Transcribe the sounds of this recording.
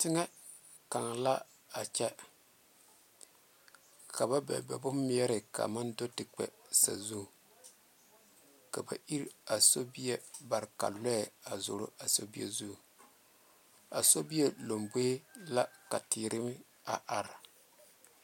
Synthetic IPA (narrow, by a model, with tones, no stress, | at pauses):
tɪ˦ŋɛ˦ | ka˨ŋla˦ | a˨t͡ʃɛ˦ | ka˨ba˦bɛ̰˨bɛ˨bʊ˦m˦ɛ˦ɾɪ˨ka̰˨ma˦ndo˦tɪ˨k͡pɛ̰˨sa̰˨zu˦˨ | ka˨ba̰˨ʔi˦ɾa˨so˦bi˦jɛ˦ba˨ɾka̰˨lɛ˦ɛ˨a˨zo̰˨ɾo̰˦a˨so˦bi˦ɛ˦zu˦˨ | a̰˨so˦bi˦jɛ˦lo˨mbe˦la˦ka˨tɪː˨ɾʔɪ˦m˦ | a̰˨ʔa˨ɾɪ˨